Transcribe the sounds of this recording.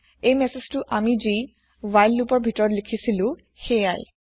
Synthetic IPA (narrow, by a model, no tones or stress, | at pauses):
ejmeseztʊʔamizi | wajlːupɔɹbʱitɔɹɔtlikʰisilʊ̃ | xejaj